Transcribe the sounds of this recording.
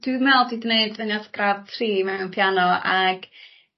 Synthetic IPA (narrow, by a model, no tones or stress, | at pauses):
d̥wimɛlˠdidəneɨdvənjatɡ̥rav̥tʰriːmɛwnpʰjanɔʔaɡ̥